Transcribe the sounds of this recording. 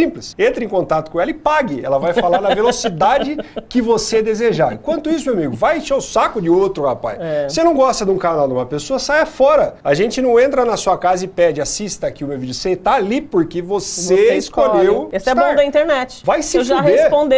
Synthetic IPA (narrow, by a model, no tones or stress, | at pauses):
ĩmplɪsẽnt̪ɾɪẽkõnt̪at̪ʊ̥kõɛlɐɪpaɡɪɛ̰lɐvajfalaɾd̪ɐvelosid̪ad͡ʒɪkɪvosed̪ezeʒaɾ̃kwɐ̃nt̪ʊis̬ʊmewamiɡʊvajeʃaʊsakʊd͡ʒɪot̪ɾʊhapa̰jɛsenɐ̃w̃ɡɔst̪ɐd̪ũkanawd̪ũmɐpesoɐsajɐfɔɾɐaʒẽnt͡ʃɪnɐ̃w̃ẽnt̪ɾɐnɐsuɐkazɐɪpɛd͡ʒɪasist̪ɐːkiʊmewvid͡ʒʊset̪aːlipoɾkevoseiskoʎewesɛbõd̪ɐĩt̪eɾnɛt͡ʃɪ̥vajsɪwʒah̪eespõd̪e